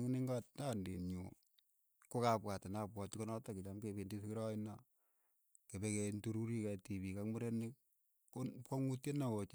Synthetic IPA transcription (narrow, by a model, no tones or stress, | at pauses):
ŋniŋɡatnandḭɲṵ | kokapwatɪnapwɔtkonɔtakɪt͡ʃamkependiskiɾɔɪna | kebekentuɾuɾikɛtibikakmuɾenɪk | okɔŋutjenawot͡ʃ